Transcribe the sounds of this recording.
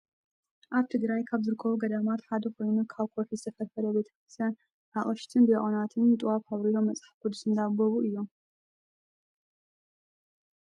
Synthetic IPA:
ʔaβt̪ʰɨɡɾajkʰaβzɨɾɨkʰːɐβuɡɐd̪amat̪ħad̪ɐkʰo̞jnukʰaβkʰoɾfizɨt̪ʰɐfɐlfɐlɐbe̞t̪ʰɐ̥kɾɨst̪ʰjan | ʔaχʼɐʃt̪ʰɨnbɨjɛʔʼonat̪ʰɨnt̪ʼɨwafhaβɾilo̞mːɐt͡sʼḁħfkʰud̪usɨnd̪abɐβuɨjːom

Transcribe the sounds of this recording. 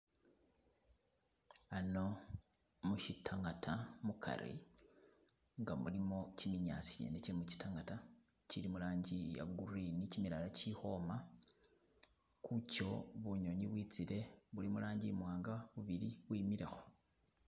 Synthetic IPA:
ano̞ | muʃitʰaŋɡatʰamukʰa̰ɾḭ | ŋɡamulimo̞cimiɲa̰t͡sijḛneciimuci̥taŋɡata | ciɾimulaːɲɟija̰ɡurinicimiɾalaciho̞ːma | kʰuco̞βuɲo̞ɲiβwit͡siɾe̞βulimulaːɲɟimwaːŋɡaβuβiɾiβwiːmiɾe̞xo̞̥

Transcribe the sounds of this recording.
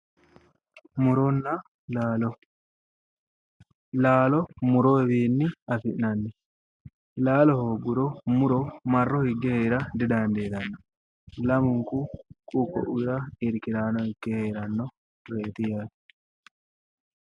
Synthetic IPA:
mʊɾɔnːɐ | l | laːlɔmʊɾɔɛbiːnːɪɐfɪʔnɐnːɛ | laːlɔhoɡʊɾɔmʊɾɔmɐrːɔhɪɡːɛheːɾɐd̪ɪd̪aːnd̪eːt̪ɐnːɔ̥ | lɐmʊŋkukʼukːɔ̰ʔʊɾɐɪɾkɪlaːnɔhɪkːɛheːɾɐnːɔ | ɾe̞ːt̪ɪjḁ

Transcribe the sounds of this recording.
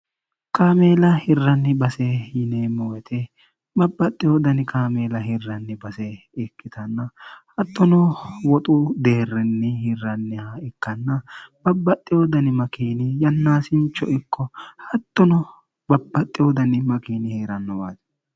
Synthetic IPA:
kaːmeːlɐhɪrːɐnːɪbɐsɛɪneːmɔwɛt̪ʰɛ | bɐbːɐt̪ʼːɪjod̪ɐnɪkaːmeːlɐhɪrːɐnːɪbɐsɛ | ɛkːɪt̪ɐnːɐhɐt̪ːɔnɔwɔt̪ʼʊd̪e̞ːrɪnːɪhɪrːɐnːɪhɐɪkːɐnːɐb̥ɐbːɐt̪ʼːɪjod̪ɐnɪmɐkiːnɪjɐnːaːsɪnt͡ʃːɔʔɪkʰːɔhɐt̪ːɔnɔ | bɐbːɐt̪ʼːɪjɔd̪ɐnɪmɐkiːnɪheːɾɐnːɔwa̰ːz

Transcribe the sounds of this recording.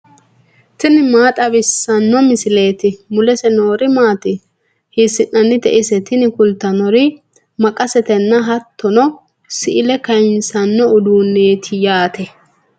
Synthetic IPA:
t̪ɪnɪmaːt̪ʼɐβɪsːɐnːɔmɪsɪle̞ːt̪ɪmʊlɛsɛnoːɾɪmaːt̪ɪ | hɪsɪʔɐnːɪd̪ɛ̰ʔɪsɛt̪ɪnɪkʊlt̪ːɐnɔɾɪ | mɐkʼɐsɛt̪ɛnːɐɦɐt̪ːɔnɔ | sɪʔɪlɛkɐjnsɐnːɔʊd̪uːnːeːt̪ʰɪjaːt̪ɛ

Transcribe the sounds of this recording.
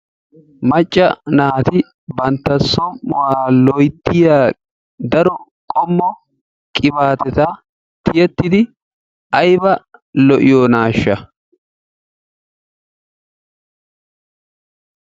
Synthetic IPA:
mɐt͡ʃʼːɐnaːt̪ɪ | bɐnt̪ːɐsːɔmːʊwaːlɔjt̪ːɪjaː | d̪ɐɾɔkʼɔmːɔ | kʼɪbaːt̪ɛt̪a | t̪ɪjɛt̪ːɪd̪ɪ | ɐjbɐlɔʔɪjɔnaːʃːɐ

